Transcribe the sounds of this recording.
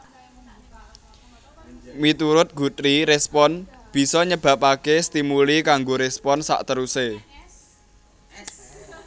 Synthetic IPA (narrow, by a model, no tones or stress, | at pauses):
mit̪uɾʊt̪̚ɡ̥ṳt̪ɾiɾɛspɔn | b̥i̤sɔɲəb̥ä̤pakest̪imulikaŋɡoɾespɔnsa̰ʔt̪əɾuse